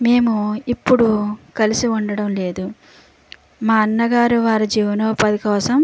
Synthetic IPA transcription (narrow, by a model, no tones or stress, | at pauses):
me̞ːmuipːuɽukɐlisiuɳɖɐɽɐmle̞ːd̪u | maːɐnːɐɡaːɾuʋaːɾid͡ʒiːʋɐnoːpɐd̪ikɔːsɐm